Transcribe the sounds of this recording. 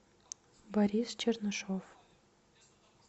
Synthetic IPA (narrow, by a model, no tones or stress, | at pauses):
bɐɾʲist͡ʃʰernɨʂof